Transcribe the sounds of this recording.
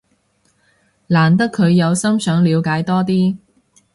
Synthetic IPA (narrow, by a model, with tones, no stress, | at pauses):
laː˨˩nt̪ɐ˥kʰɵ˨˧ɥjɐ˨˧wsɐ˥msœː˨˥ŋliː˨˧wkaː˨˥jt̪ɔː˥t̪̬iː˥